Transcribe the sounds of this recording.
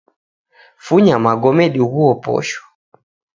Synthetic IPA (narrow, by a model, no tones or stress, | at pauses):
fuɲamaɡɔmɛɗiɣuɔpɔ̰ʃɔ̥